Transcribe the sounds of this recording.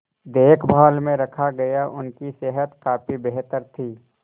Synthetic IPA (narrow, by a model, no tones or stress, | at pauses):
d̪eːkʰbʱaːlmẽɾɐkʰaɡɐjaʔʊnkiseɦət̪kaːpibeɦt̪əɾt̪ʰiː